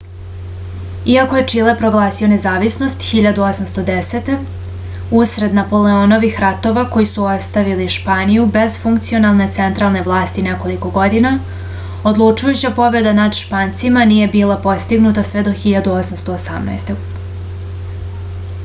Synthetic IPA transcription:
iakoje̞t͡ʂilepɾo̞ɡlˠaːsio̞ne̞zaːʋisno̞st̪xiʎad̪uo̞samst̪o̞d̪e̞set̪e̞ | usɾe̞d̪napo̞leono̞ʋixɾat̪o̞ʋako̞jisuo̞st̪aʋiliʃpaːnijube̞zfuŋkt̪sio̞nalˠne̞t̪se̞nt̪ɾalˠne̞ʋlˠaːst̪ine̞ko̞liko̞ɡo̞d̪ina | o̞d̪lˠut͡ʂujut͡ɕapo̞be̞d̪anad̪ʃpaːnt̪simanije̞biːlˠapo̞st̪iɡnut̪asʋe̞d̪o̞xiʎad̪uosamst̪o̞ːsa̰mna̰jst̪e

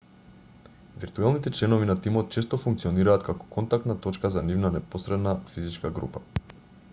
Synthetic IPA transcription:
viɾt̪uɛlˠnit̪ɛt͡ʃlɛnɔvinat̪imɔt̪̚t͡ʃɛst̪ɔfuŋkt̪siɔniɾaːt̪kakɔ̥kɔnt̪ak̚t̪nat̪ɔt͡ʃkazanivnanɛposɾɛd̪nafizit͡ʃkaɡɾṵpa

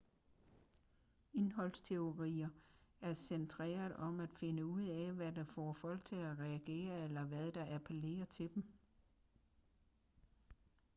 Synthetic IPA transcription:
e̝nɦɒ̽l̰st͡sʰe̝o̝ʁḭːɐæɐsent͡sʰʁḛːɐðˠɒ̽mæd̥fe̝nəuð̰ˠɛʋæd̥ɑ̈fɒːfɒ̽l̰ɡ̥̚t͡sʰe̝læʁɛæɡ̥e̝̰ːɐelɐʋæðˠd̥ɑ̈ʔæpʰəle̝̰ːɐt͡sʰe̝d̥em

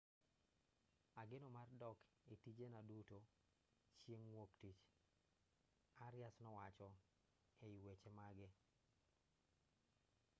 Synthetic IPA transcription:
aɡɪnomardɔk | itid͡ʒenaduto | t͡ʃjeŋwoktit͡ʃ | aɾɪjasnɔwat͡ʃɔ | eiwet͡ʃemaɡɪ

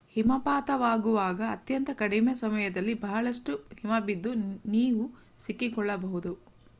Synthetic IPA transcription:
himɐpaːt̪ɐʋaːɡuʋaːɡɐːt̪jɐnt̪ɐkɐɽimesɐmɐjɐd̪ɐlːibɐɦɐɭɐʂʈuhimɐbid̪ːuniːʋu | sikːikɔɭːɐbɐɦud̪u

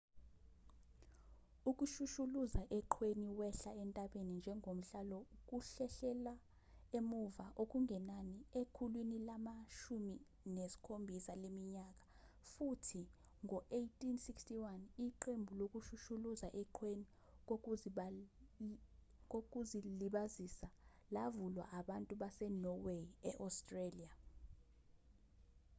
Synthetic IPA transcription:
uk̬ʼuʃuʃuluzaʔɛǃʰweniwɛɬaɛntʼaɓenind͡ʒʱɛŋɡʱom̩ɬalɔuk̬ʼuɬɛɬɛla | emuvaʔok̬ʼuŋʱɛnaniekʰulwinilamaʃumi | nesi̥kʰombʱisalemiɲak̬ʼḁ | futʰi | ŋɔʔejtʼinsikstʼiwaniǃembʱulok̬ʼuʃuʃuluzaʔɛǃʰweni | kok̬ʼuziliɓazisa | lavulwa̰ʔaɓantʼuɓasɛnɔweɛʔɔstʼrelia

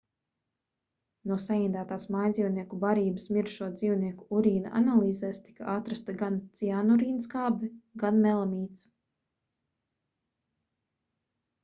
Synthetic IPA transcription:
nuɔsajiːd̪aːt̪aːsmajd̪ziːwniɛkubaɾiːbə̥smiɾʃuɔd̪ziːwniɛkuuɾiːna̰ʔa̰nalˠiːzɛːst̪i̥kaʔat̪ɾast̪aɡant̪sianɔɾiːnskaːbɛɡanmɛlˠamiːt̪s

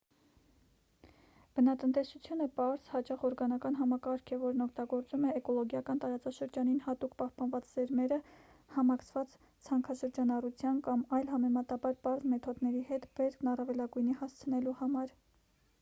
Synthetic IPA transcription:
b̥ənɑt̪ənt̪ɛsut͡sʰjunəpɑɾz̥hɑt͡ʃɑχɔɾɡɑnɑkɑnɦɑmɑkɑɾkʰɛvɔɾnɔkʰt̪ɑɡɔɾt͡sumɛːkɔlɔɡjɑkɑnt̪ɑɾɑt͡sɑʃəɾd͡ʒɑninhɑt̪ukpɑhpɑnvɑt͡szɛɾmɛɾə | hɑmɑkʰt͡sʰvɑt͡s | t͡sʰɑŋkʰɑʃəɾd͡ʒɑnɑrut͡sʰjɑnkɑmɑjlɦɑmɛmɑt̪ɑbɑɾpɑɾzmɛt̪ʰɔd̪nɛɾihɛt̪bɛɾkʰnɑrɑvɛlɑɡujnihɑst͡sʰənɛluhɑmɑɾ

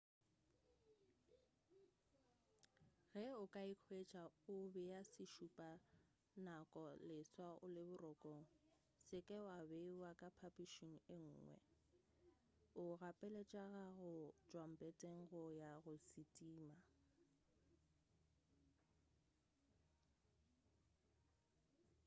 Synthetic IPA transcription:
ɣɛʊkʼaikʰwet͡ʃʼaʊbɛjasɪʃupʼa | nakʼɔlɪswaʔʊ̰lɪbʊrɔkʼoŋ̩ | sɪkʼɛwabewakʼapʰapʼiʃiŋ̩ɪŋ̩ːŋwɛ̰ | ʊɣapʼɛlet͡ʃʼaɣaɣʊd͡ʒʼwam̩pʼetʼeŋ̩ɣʊjaɣʊsitʼiːma

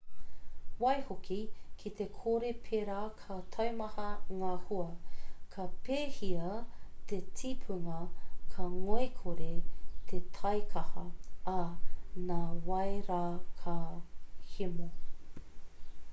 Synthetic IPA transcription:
wɐjhokikʰit̪e̞kʰoɾepʰeːɾaːkʰɐt̪ʰɐwmɐhɐŋaːhuɐkʰɐpeːhiɐt̪etʰipʰuŋɐkʰɐŋoekʰoɾet̪ʰet̪ʰɐjkʰɐhɐɐnaːwɐjɾaːkʰɐ | himo

